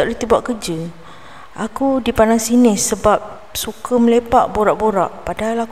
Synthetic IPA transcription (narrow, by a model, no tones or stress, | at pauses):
aʔdit̪ibuaʔkəd͡ʒə | ʔakudipandaŋsinɪsːəbap̚ | sukəməlepaʔboɾaʔboɾaʔpadaɦalak